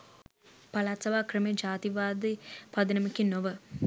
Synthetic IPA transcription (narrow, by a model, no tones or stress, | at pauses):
palaːt̪sɐʋaːkrəmed͡ʒaːt̪iʋaːd̪ipad̪ənəmikinːoʋə